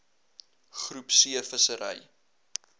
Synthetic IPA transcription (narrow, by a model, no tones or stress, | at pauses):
χrupsiəfəsəɾə̰j